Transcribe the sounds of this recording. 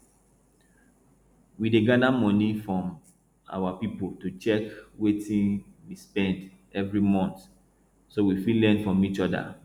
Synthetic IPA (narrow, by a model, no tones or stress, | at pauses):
wideɡadamɔ̃nifɹɔ̃m | a̰wapipoltut͡ʃɛkwetĩnwispɛ̃nd | ɛvɹimɔ̃nt | sowifilɛ̃ndfɹɔ̃mit͡ʃɔda̰